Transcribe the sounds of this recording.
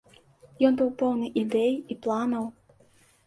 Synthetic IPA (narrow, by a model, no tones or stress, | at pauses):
jɔnbɨwpɔwnɨʔid̪ɛjiplˠanɐw